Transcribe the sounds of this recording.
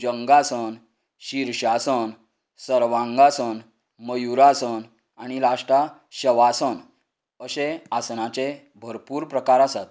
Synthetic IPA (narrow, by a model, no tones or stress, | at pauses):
d͡ʑəŋɡasən | ɕiɾɕasən | səɾʋãŋɡasən | məjuɾasən | añilaʂʈa | ɕəʋasən | əseasnat͡ɕe | bʱəɾpuːɾpɾəkaɾasat̪̚